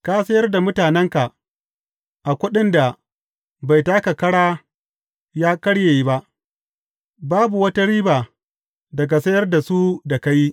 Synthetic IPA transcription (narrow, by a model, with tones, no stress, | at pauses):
kaː˦sɐ˦jɐ˦rda˨mʊ˦taː˨nɛ˦ŋka˨ | ʔa˨kʷʊ˦ɗɪ˦nda˨ | ba˨jtaː˦ka˨kɐ˦ɽaː˦ | jaː˦kɐ˦ɽje˨ji˦ba˦ʔ | baː˦bu˨wɐ˦ta˦ɽiː˦baː˨ | dɐ˨ɡa˨sɐ˦jɐ˦rda˨su˦da˨ka˦ji˦